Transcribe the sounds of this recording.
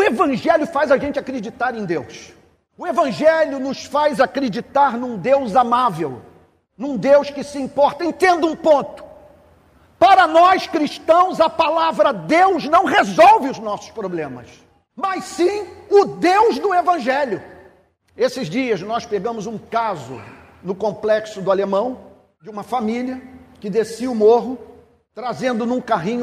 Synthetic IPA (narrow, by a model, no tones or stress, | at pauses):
ʊevɐ̃ʒɛljʊfajzaʒẽnt͡ʃɪakɾed͡ʒit̪aɾẽj̃d̪ews | ʊevɐ̃ʒɛljʊnʊsfajzakɾed͡ʒit̪aɾnũd̪ewzamavḛw | nũd̪ewskɪsɪĩmpɔɾt̪ɐẽnt̪ẽnd̪ʊũpõnt̪ʊ̥ | paɾɐnɔskɾiʃt̪ɐ̃w̃zɐpalavɾɐd̪ewznɐ̃w̃hezɔwvɪʊznɔsʊ̥spɾoblẽmɐ̰s | mɐjssĩʊd̪ewzd̪ʊevɐ̃ʒɛljʊ | esɪzd͡ʒiɐznɔspeɡɐ̃mʊzũkazʊ̰ | nʊkõmplɛksʊd̪ʊalemɐ̃w̃ | d͡ʒɪũmɐfamiliɐkɪd̪esiʊmoɦʊ | t̪ɾazẽnd̪ʊnũkaɦĩɲʊ